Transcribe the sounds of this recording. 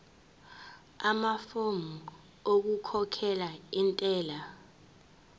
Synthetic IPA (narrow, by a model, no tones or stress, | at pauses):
amafomu | ok̬ukʰɔkʰɛlaintʼɛːla